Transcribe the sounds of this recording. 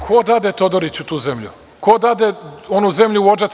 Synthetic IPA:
kʰod̪aːd̪et̪od̪oɾit͡ɕut̪uːzemʎṵ | kod̪aːd̪eonuze̞mʎuʋod͡ʒat̪

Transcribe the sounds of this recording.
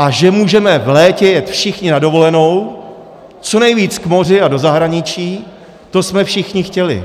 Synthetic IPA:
ʔaʒɛmuːʒɛmɛvlɛːcɛjɛt̪fʃɪxɲɪnado̞vo̞lɛno̞w | t͡so̞nɛjviːt͡skmo̞rɪado̞zaɦɾaɲɪt͡ʃiː | t̪osmɛfʃɪxɲɪxcɛlɪ̰

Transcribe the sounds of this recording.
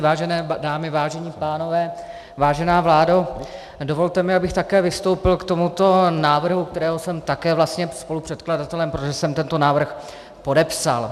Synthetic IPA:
vaːʒɛnɛːdaːmɪvaːʒɛɲiːpaːno̞vɛː | vaːʒɛnaːvlaːdo | dovo̞lt̪ɛmɪabɪxt̪akɛːvɪst̪owpɪlkt̪o̞mut̪o̞naːvr̩ɦuk̚t̪ɛɾɛːɦosɛmt̪akɛːvlast̪ɲɛspo̞lupr̥ɛt̪kladat̪ɛlɛmpɾot̪oʒɛsɛmt̪ɛnt̪o̞naːvr̩x | po̞dɛpsa̰l

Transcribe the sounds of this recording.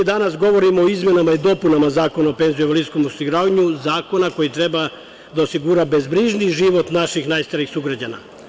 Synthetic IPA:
id̪anasɡo̞ʋo̞ɾimoːizme̞namaid̪o̞punamazaːko̞naope̞nzijeʋlisko̞mosiɡɾaːʋaɲuzaːko̞nako̞jit̪ɾe̞ba | d̪aosiɡuɾabe̞zbɾiʒniʒiʋo̞t̪naʃixnajst̪aɾixsuɡɾad͡ʑana̰

